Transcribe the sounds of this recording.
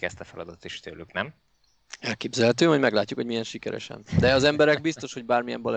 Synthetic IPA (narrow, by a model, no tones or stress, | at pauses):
kɛst̪ɒfɛlɒ̰d̪ɒt̪t̪iʃt̪øːlːyknɛm | ɛlkeːbzɛlɦɛt̪̬øːvɒɟmɛɡlaːcːukhoɟmijɛnʃikɛɾɛ̰ʃɛ̰nd̪ɛɒzɛmbɛɾɛɡ̚bist̪o̞ʃho̞ɟ̚baːrmijɛ̰mbɒl